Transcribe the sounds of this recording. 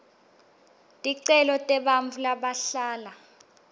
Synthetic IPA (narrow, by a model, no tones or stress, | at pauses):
tʼiǀɛlɔtʼɛɓaɱvulaɓaɬaːla